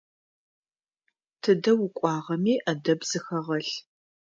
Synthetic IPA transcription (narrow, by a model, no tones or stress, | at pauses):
tʰɨdɐwʊkʷʼɑːʁɐmiːʔɐdɐbz̥ɨxɐʁɐɬ